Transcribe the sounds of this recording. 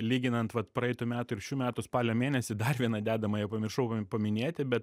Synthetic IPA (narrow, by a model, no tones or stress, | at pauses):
lʲiːɡʲɪnɐnt̪ʋɐt̪pɾɐɛɪt̪ʊmʲæːt̪ʊɪɾʃʲuːmʲæːt̪ʊspɑːlʲoːmʲeːnʲɛsʲɪd̪ɐrʋʲiɛnɐd̪ʲæːd̪ɐmɐjɛʊpɐmʲɪrʃɐʊpɐmʲɪnʲeːt̪ʲɪbʲɛt̪